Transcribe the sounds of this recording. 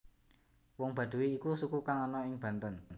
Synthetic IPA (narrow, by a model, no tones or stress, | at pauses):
wɔŋb̥ä̤d̪̥ṳwiːkusukukaŋɔnɔɪŋb̥a̤nt̪ənn